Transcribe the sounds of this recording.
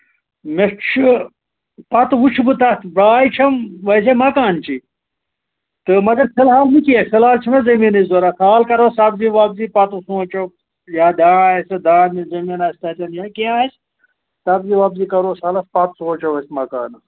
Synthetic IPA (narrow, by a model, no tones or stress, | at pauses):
met͡ʃʰɨ | pɐt̪ʋut͡ʃʰibɨt̪ɐt̪baːjt͡ʃʰɐmʋɐsemɐkaːnt͡ʃʰi | t̪ɨmɐɡɐɾpʰilɦaːlnikiekilaːlt͡ʃʰimezɐminizoɾɐsʰaːlkɐɾosɐbziʋaːbzipɐt̪usũːt͡ʃɐ | jaːd̪ãːaːsɐd̪ãːmezɐminaːst̪ɐt̪ɐnjaːkiaːɐs | sɐbziʋaːbziːkɐɾoːsaːlɐspɐt̪suːɐt͡ʃɐʋɐsʲmɐka̰ːnɐ